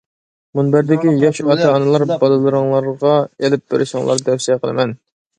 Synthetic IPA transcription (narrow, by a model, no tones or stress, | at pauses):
munbɪɾd̪ɪkʲijɑʃɑt̪ʰɑɑnɨlˠɑɾbɑlˠɨlˠɨɾəŋlˠɑɾʁɑelɪp̚b̪ḛɾʔɪʃɪŋlˠɑ̰ɾd̪ɛwsiɛqʰəlˠɨmɛn